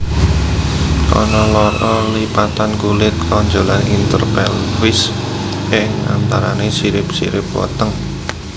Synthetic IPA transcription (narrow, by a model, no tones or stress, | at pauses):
ʔɔ̰nɔlɔɾɔlipat̪ankulɪt̪̚kauɲd͡ʒolanint̪ərpɛ̰lwɪs | ʔɪŋa̰nt̪aɾanesiɾɪp̚sḭɾɪp̚wɔ̰t̪əŋ